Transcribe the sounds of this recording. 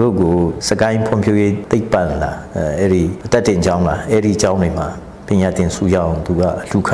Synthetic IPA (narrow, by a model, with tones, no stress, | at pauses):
ɾo̰˦˨ɡo˨sə˨kã˦ɪ̃mpʰwʊ̰̃˦˨mpʰjo˦˨je˦t̪e˦ɪpːã˨nla˨ʔɛ˦ɹi˦˨tɛ˦ʔtɪ̃˨ɲt͡ɕã˦ʊ̃la˨ʔɛ˦ɹḭ˦˨t͡ɕã˦ʊ̃ndwe˨m̥a˨ | pjɪ̃˨ɲa˨t̪ɪ̃˨nsʰṵ˦˨jã̰˦˨t̪u˨ɡa̰˦˨l̥u˨kʰã˨